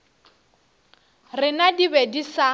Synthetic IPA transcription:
rɪnadibedisa

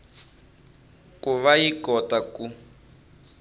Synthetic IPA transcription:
kʼuβajikɔtaku

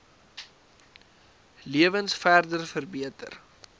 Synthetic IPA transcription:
liəvənsfærdərfərbiətə̰r

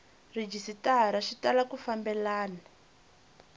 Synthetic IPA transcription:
rid͡ʒisitaɦaɾaʃitalakufambɛlaːna

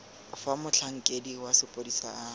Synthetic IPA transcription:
famʊt͡ɬʰaŋ̩kʼediwasɪpʼodisa̰a

